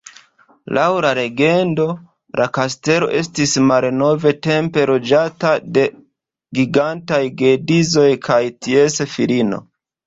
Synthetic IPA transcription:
lawlaɾe̞ɡe̞ndo̞ | lʔakaste̞lo̞̰ʔe̞stismalno̞ve̞te̞mpe̞lo̞d͡ʒatade̞ | ɡiɡantajɡe̞dizo̞jkʰajtiesefilino̰

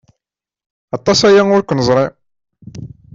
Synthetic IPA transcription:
ɑt̪ˤːɑsæjæŋʊɾkʷːənəzˤɾˤe

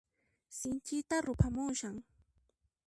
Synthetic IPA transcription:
sɪnt͡ʃɪt̪aɾʊpʰamʊŋʃaŋ

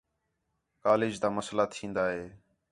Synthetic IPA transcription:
kaːlɪːd͡ʒd̪aːməslaːt̪ʰĩːnd̪aːɦeː

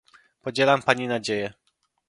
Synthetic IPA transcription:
pɔd͡ʑɛlampaɲinad͡ʑejɛ

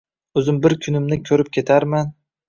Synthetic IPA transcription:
ɵzɪmbɪɾkʲʰʊnɪmnɪkʲʰɵɾɪp̚kʲʰe̞t̪ʰaɾman

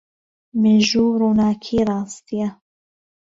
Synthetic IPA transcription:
mɪʒuːɾuːnaːkʰiːɾˤɑːst̪ʰija

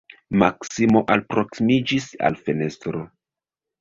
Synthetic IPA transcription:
maksimo̞ʔalpɾo̞ksimid͡ʒisa̰lfe̞ne̞stɾo

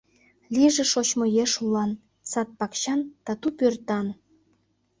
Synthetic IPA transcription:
lʲiʒĕʃot͡ɕmojeʃulɑn | sɑt̪̚pɑkɕɑnt̪ɑt̪upørt̪ɑn

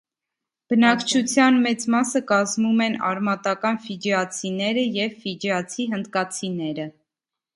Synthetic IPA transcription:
b̥ənɑkt͡ʃʰut͡sʰjɑnmɛt͡smɑsəkɑzmumɛnɑ̰ɾmɑt̪ɑkɑnfid͡ʒɛɑt͡sʰinɛɾəjɛvːid͡ʒɛɑt͡sʰiɦənd̪kɑt͡sʰinɛɾə

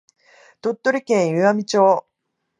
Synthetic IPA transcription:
t̪ot̪ːo̞ɾʲikẽɰ̃jɯamʲit͡ɕo̞ː

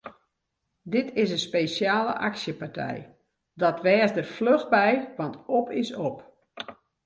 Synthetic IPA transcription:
dɪtʰɪsənspejsjaːlə̰ʔaksjəpartʰɛ̰j | dɔtʋɛːsdərfløɣbɛjʋɑntopɪsop

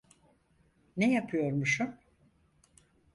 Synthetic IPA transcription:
nejapʰɯjo̞ɾmuʃum

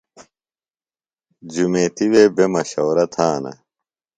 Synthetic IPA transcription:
d͡ʑumeːt̪iweːbemɐɕoːɾɐt̪ʰaːnɐ̰

